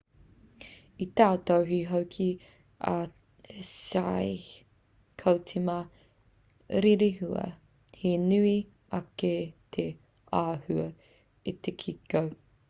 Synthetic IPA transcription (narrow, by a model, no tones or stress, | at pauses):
it̪aːt̪owɦiɦowkʰi | ɐ̰ | saj | kʰowt͡sʰimɐ | ɾiɾiɦuɐ̰ | henʉi | ɐket̪ʰe | aːhʉɐ | it̪ekʰikow